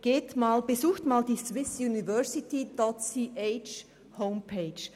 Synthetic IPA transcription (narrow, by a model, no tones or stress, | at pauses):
ɡ̥eːtmaːlbezuːxtmaːldiːswɪsjunivœɐsɪtid̥ɔtsiːʔet͡ʃ | hoʊmpʰeːt͡ʃ